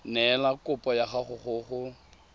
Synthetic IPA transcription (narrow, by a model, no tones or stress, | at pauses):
nɛlakʼʊpʼɔjaχaχʊχʊχʊ